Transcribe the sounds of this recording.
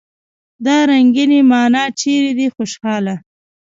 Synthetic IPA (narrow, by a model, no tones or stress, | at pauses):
d̪ɑɾaŋɡinemɑːnɑt͡ʃeɾed̪ixoʃxɑla